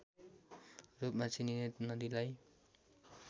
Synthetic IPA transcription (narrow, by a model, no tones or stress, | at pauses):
rupmat͡sʰininenʌd̪ilaj